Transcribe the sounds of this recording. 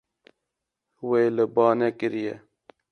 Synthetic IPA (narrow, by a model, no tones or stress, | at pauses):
weːləbɑːnekɪɾijɛ